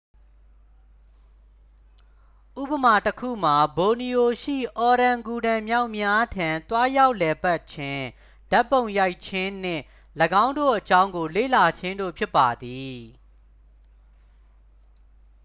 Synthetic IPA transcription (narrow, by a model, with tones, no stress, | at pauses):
ʔṵ˦˨pə˨ma˨təkʰṵ˦˨m̥a˨bo˨ni˨ʔo˨ʃḭ˦˨ʔɔ˨ɾã˨ŋɡu˨dã˨mja˦ʊʔmja˦tʰã˨nt̪wa˦ja˦ʊʔlɛ˨pa˦ʔt͡ɕʰɪ̃˦ | da˦pːõ˨ʊ̃ja˦ɪʔt͡ɕʰɪ̃˦n̥ɪ̰̃˦˨ | ləɡã˦ʊ̃ndo̰˦˨ʔət͡ɕã˦ʊ̃ŋɡo˨lḛ˦˨la˨t͡ɕʰɪ̃˦ndo̰˦˨pʰjɪ˦pːa˨d̪i˨